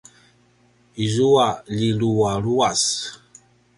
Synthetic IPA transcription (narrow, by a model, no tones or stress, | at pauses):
izuaʎiluaɾuas